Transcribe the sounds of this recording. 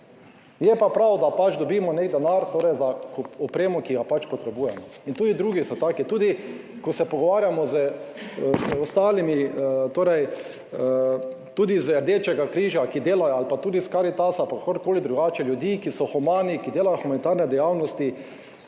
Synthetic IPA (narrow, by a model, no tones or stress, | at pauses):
jɛpapɾawd̪apat͡ʃd̪ɔbiːmɔnekd̪ɛnaɾt̪oːɾɛjzakɔpɾeːmɔkiɡapat͡ʃpɔt̪ɾɛbuːjɛmɔint̪uːd̪id̪ɾuːɡisɔt̪aːkit̪uːd̪i | kɔsɛpɔɡɔʋaːɾjamɔzə | ɔst̪aːlimit̪oːɾɛj | t̪uːd̪izɛɾd̪eːt͡ʃɛɡakɾiːʒjakid̪eːlajɔalpat̪uːd̪iskaɾit̪asapakoɾkoːlid̪ɾuɡaːt͡ʃɛljud̪iːkisɔxumaːnikid̪eːlajoxumanit̪aɾnɛd̪ɛjawnɔst̪i